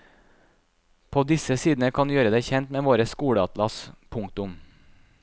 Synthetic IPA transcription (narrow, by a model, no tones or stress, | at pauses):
pʰoːd̪ɪsəsiːd̪n̩əkʰɑnjøːɾəd̪eːçɛnt̪meːʋoːɾəskuːɽəɑt̪lɑspʰʊŋkt̪ʊm